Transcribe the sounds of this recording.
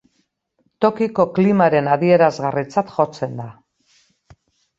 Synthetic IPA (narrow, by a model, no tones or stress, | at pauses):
t̪o̞kiko̞klimaɾe̞naðie̞ɾazɣarit͡sat̪ʝo̞t͡se̞nd̪a